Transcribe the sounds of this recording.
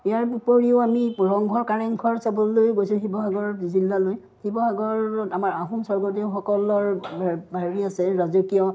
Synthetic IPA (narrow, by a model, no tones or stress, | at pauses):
iaɹupoɹiʊamiɹɔŋɡʱɔɹkaɹɛŋkʰɔɹsabɔlojɡojsʊ̃ɦibɔɦaɡɔɹzilːaloj | hibɔɦaɡɔɹɔamaɹaɦumsɔɹɡɔtexɔkɔlɔɹbbʱaɦɹiasɛɹazukijɔ